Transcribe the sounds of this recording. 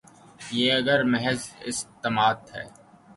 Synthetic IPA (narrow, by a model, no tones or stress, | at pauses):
jeːɐɡəɾmɛɦɛzɪ̰st̪əmaːd̪ɦɛ̰ː